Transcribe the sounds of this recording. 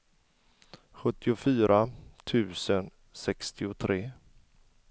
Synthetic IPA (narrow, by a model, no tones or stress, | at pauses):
ɧɵt̪ʰːɪʊfyːɾʔat̪ʰʉ̟ːsən | sɛkst̪ʰɪʊt̪ʰɾeː